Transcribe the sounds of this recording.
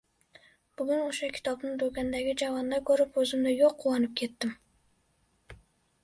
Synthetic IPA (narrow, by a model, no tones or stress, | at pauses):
b̥ʊɡynoʃɑkʲʰi̥t̪ʰɑbnɨŋd̪økʲænd̪æɡʲid͡ʒɑvɑnd̪ɑkʲʰøɾɪpøzɪmd̪ɛjoqʰːulˠːɑnɨp̚kʲʰet̪ːɪm